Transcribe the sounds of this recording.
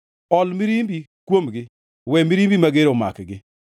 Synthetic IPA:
ɔlmiɾimbikwomɡɪ | wɛmiɾimbimaɡeɾoma̰kɡɪ

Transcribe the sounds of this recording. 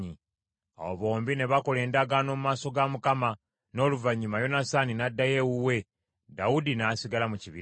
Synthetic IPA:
ɲi | a̰woβo̞ːmbine̞βako̞le̞ːndaɡano̞mumaːso̞ɡamukama | no̞ːluvaɲːumajo̞nasaninadːaje̞wuwe̞ | dawudinaːsiɡalamuciβḭ

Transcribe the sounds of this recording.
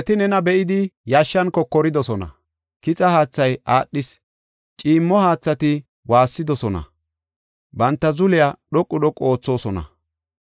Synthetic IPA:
ɛt̪ɪnɛnɐbɛʔɪd̪ɪjaːʃːɐnkɔkːɔɾɪd̪ɔsɔnɐ̰ | kɪt͡sʼɐhaːt͡sːɐjaːɗːɪs | t͡ʃʼiːmːɔhaːt͡sːɐt̪ɪ | waːsːɪd̪ɔsɔnɐ̰ | bɐnt̪ːɐzʊlɪjaɗɔkʼːʊɗ̪ɔkʼo̞ːt͡sːo̞ːsɔnɐ̰

